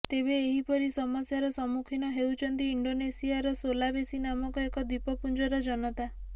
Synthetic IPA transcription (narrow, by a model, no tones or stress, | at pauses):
t̪eβeːɦipɔɾisɔmɔsjaɾɔsɔmukʰinɔɦewt͡ʃʰɔnt̪iːɳɖonesiaɾɔsolabesinamɔkɔekɔd̪ipɔpund͡ʒɔɾɔd͡ʒɔnɔt̪a